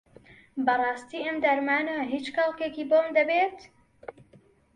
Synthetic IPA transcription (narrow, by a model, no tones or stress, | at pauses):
bɐrˤɑːst̪iːɐmd̪ɐɾmaːnɐɦiːt͡ʃxɐlˠkekiːbomd̪ɐbet̪